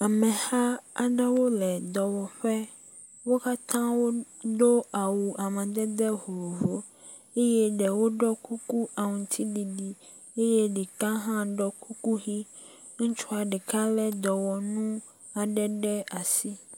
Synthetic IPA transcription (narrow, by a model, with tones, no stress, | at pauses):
a˨mɛ̃˨ha˦a̰˨ɖɛ˦wo˦lɛ˨d̪ɔ˨wɔ˨ɸɛ˦ | wo˦ka˦t̪ʰã˦wo˦ | d̪o˦a˨wu˨a˨mɛ̃˨d̪ɛ˦d̪ɛ˦ɦo˨vo˨ | e˦jɛ˦ɖɛ˨wo˦ɖɔ˦ku˦ku˦ʔa˨ŋũ˨t̪ʰi˦ɖi˨ɖi˨ | e˦jɛ˦ɖi˨kã˦ɦã˦ɖɔ˦ku˦ku˦ɣi˦ | ŋ̩̃˦t͡ʃu˦a˨ɖɛ˨ka˦lɛ˦d̪ɔ˨wɔ˨nũ˦ | a˨ɖɛ˦ɖɛ˦a˨si˦